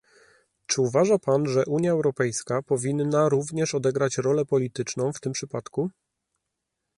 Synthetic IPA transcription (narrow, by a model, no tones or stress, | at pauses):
t͡ʂɘuvaʐapanʐɛʔuɲjaɛwɾɔpɛjskapɔvʲinːaɾuvɲɛʂɔd̪ɛɡɾat͡ɕɾɔlɛpɔlʲit̪ɘt͡ʂnɔ̃w̃ft̪ɘmpʂɘpat̪ku